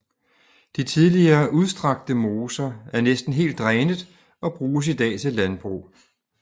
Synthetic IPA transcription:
d̥it͡sʰiðˠliɐːʔuð̞ˠsd̥ʁɑ̈ɡ̥̚d̥əmo̝ːsɐæɐnesd̥n̩ɦe̝̰ːld̥ʁɛːnəð̩ˠ | ɒ̽b̥ʁuːs̬id̥ɛ̰ːt͡sʰe̝lænb̥ʁṵ

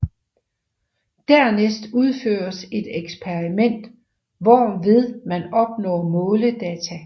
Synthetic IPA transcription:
d̥æɐ̰nesd̥uð̞ˠfø̰ːɐse̝d̥eɡ̥spʰeʁimen̰d̥ | ʋɒːʋe̝ð̞ˠmænɒ̽b̥nɔ̰ːmɔ̽ːləd̥ɛːt͡sʰæ

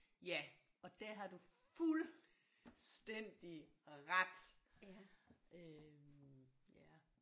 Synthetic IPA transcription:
jæ | ʔɒ̽d̥æɐɦɑ̈d̥uful | sd̥en̰d̥iʁad̥ | ø | jæ

